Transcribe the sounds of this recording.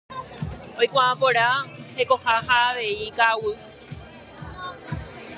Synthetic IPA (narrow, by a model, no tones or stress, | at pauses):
ojkʷããpoɾaheko̞hahaːʋe̞ikawɨ